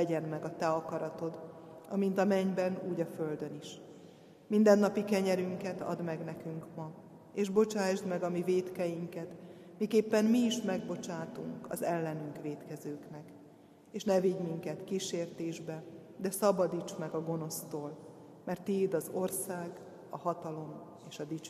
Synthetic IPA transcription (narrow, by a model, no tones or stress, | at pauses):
ɛɟɛnmɛɡɒt̪ɛɒkɒɾɒt̪o̞d̪ɒmint̪ɒmɛɲbɛnuːɟɒføld̪ø̞niʃ | mind̪ɛnːɒpikɛɲɛɾyŋkɛt̪ɒ̰d̪mɛɡnɛkyŋkmɒ | eːʒbo̞t͡ʃaːʒd̪mɛɡɒmiveːt̪kɛjiŋkɛt̪mikeːpːɛnmiːʃmɛɡbo̞t͡ʃaːt̪ṵŋkɒ̰zɛlːɛnyŋkʋeːt̪kɛzøːknɛk | eːʃnɛviɟmiŋkɛt̪kiʃeːrt̪eːʒbɛd̪ɛsɒbɒd̪it͡ʃmɛɡɒɡo̞no̞st̪oːl | mɛrt̪ːid̪ɒzo̞rsaːɡ | ɒhɒt̪ɒlo̞m | eːʃɒd̪it͡ʃː